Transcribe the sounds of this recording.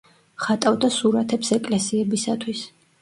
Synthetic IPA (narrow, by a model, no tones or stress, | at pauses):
χat̪ʼavd̪asuɾat̪ʰɛpsɛkʼlɛsiɛbisat̪ʰwis